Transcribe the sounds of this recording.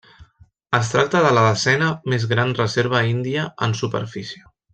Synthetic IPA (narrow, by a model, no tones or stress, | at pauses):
əs̬t̪ɾak̚t̪əðələðəzɛnəmezɣɾanrəzeɾβ̞əind̪iəənsupə̰ɾfisiə